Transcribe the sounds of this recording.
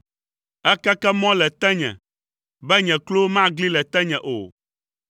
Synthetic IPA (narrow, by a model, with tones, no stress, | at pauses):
ɛ˦kɛ˦kɛ˦mɔ̃˦lɛ˨t̪ɛ̃˦ɲɛ̰̃˨ | bɛ˦ɲɛ̃˨klo˦wo˦mã˦ɡli˦lɛ˨t̪ɛ˦ɲɛ̃˨ʔo̰˨